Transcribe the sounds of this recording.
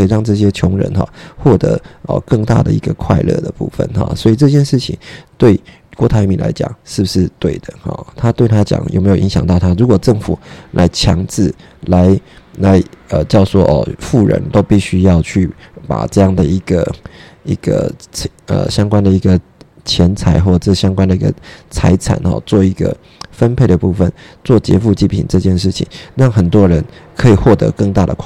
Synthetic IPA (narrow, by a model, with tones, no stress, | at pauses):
i˨ɻɑ˥˧ŋʈ͡ʂɤ˥˩ɕ̬jɛ˥t͡ɕʰjʊ˧˥ŋɻə̰˧˥nxɑ̰˥˧xwɔ˥˩t̪ɤ˧˥ə̰˨˩kɤ˥˧ŋt̪a̰˥˩d̪ə̰˨˩i˧˥ɡə˨kʰwa˥˧ɪlɤ̰˥˩d̪ə˩pṵ˥˩fə̰˨nxɑ̰˨˩swɔ˧˥i˨˩ʈ͡ʂɤ˥˧ɕ̬ʰjɛ˥˧nʂɻ̩˥˩t͡ɕʰḭ˨˦ŋt̪we˥˩ɪ | kwɔ˥˩t̪ʰa˧˥ɪmi˨˩nlʔa̰˧˥ɪt͡ɕjɑ̰˨˩ŋʂɻ̩˥˩bu˨˩ʂɻ̩˥˧t̪we˥˩ɪd̪ə˩xɔ̰˨˩t̪ʰa˥t̪we˥˩ɪt̪ʰa˥t͡ɕjɑ̰˨˩ŋjʔme˧˥jo˨˩˨i˧˥ŋɕjɑ˨˩ŋt̪ɑ˥˩ʊt̪ʰa˥ɻu˧˦˥kwɔ˨˩ʈ͡ʂɤ˥˩ŋfu˨˩lʔa˧˥ɪt͡ɕʰjɑ˧˥ŋt͡sɹ̩˥˩ | la˧˥ɪla˧˥ɪə˨t͡ɕjɑ˥˧ʊʂwɔ˥ʔɔ̰˨˩fu˥˩ɻə̰˧˦nt̪o˥ʊpi˥˩ɕy˥jɑ˥˧ʊt͡ɕʰy˥˩pa̰˨˩ʈ͡ʂɤ˥˧jɑ˥˩ŋd̪ə˩i˧˥ɡ̥ə̰˧ḭ˧˥ɡ̥ə̰˧˩ | ə̰˨˩ɕjɑ˥ŋkwa˥nd̪ə˨i˧˥ɡə˨ | t͡ɕʰjɛ˧˥nt͡sʰa˧˥ɪxwɔ˥˩ə˥˩ɕjɑ˥ŋkwa˥nd̪ə˨i˧˥ɡə̰˧t͡sʰa˧˥ɪt͡sʰa̰˨˩nxɔ̰˨˩t͡swɔ˥˩i˧˥ɡə̰˧ | fə˦npʰe˥˩ɪd̪ə˩pu˥˩fə˨nt͡swɔ˥˩t͡ɕjɛ̰˧˥fu˥˧t͡ɕi˥˩pʰḭ˨˩nʈ͡ʂɤ˥˧t͡ɕjɛ˥˧nʂɻ̩˥˩t͡ɕʰḭ˨˩ŋɻɑ˥˩ŋxə˨˩nt̪wɔ˥ɻə˧˥nkʰɤ˧˥i˨˩xwɔ˥˩t̪ɤ̰˧˥kɤ˥˧ŋt̪a˥˩d̪ə˨kʰ